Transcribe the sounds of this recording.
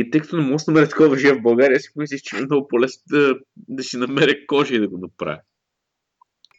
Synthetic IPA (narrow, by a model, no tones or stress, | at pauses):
it̪ɤjkɐ̥t̪onɛmɔɡəsnɐmɛɾɛt̪ɐ̥kɔvɐʒɛvbɐlˠɡaɾiəsi̥mis̬lʲit͡ʃɛmɛmnɔɡʊpolɛsnod̪ɐ | d̪ɐsinɐmɛɾɛkɔʒɛid̪ɐɡʊnɐpɾa̰vʲi